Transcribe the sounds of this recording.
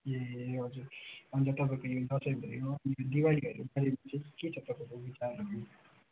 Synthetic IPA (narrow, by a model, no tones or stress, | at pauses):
jeɦʌd͡zuɾʌnd͡zʌt̪ʌp̬akojod̪ʱʌsʌjbʱʌ̰joʌnijod̪iwaliɦʌ̰ɾubʱaɾemat͡seket͡sʰʌt̪ʌpakobit͡sarːʌkne